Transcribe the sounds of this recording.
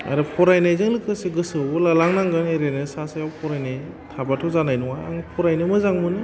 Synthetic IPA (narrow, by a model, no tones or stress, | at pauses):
a̰ɾɯpʰɔɾajnajzɯŋlɯkʰɯseɡɯsɯbɔlalaŋnaŋɡɯneɾenɯsasajawpʰɔɾajnaj | tʰabatʰɔzanajnɔŋa̰ːŋpʰɔɾajnɯmɯzaŋmɯnɯ